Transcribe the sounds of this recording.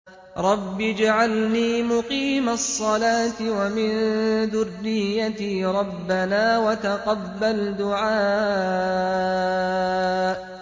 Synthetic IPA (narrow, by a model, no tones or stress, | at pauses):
ɾˤɑbːɪd͡ʒaʕalniːmʊqiːmasˤːɑlaːt̪ɪwamɪnðʊrːɪjːat̪iːɾˤɑbːanaːwat̪aqɑbːald̪ʊʕaː